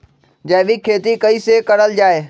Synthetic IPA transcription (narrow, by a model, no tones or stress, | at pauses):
d͡ʑɐ̃ɦɓikʰeːt̪ikɐisekɐɾəld͡ʑaːe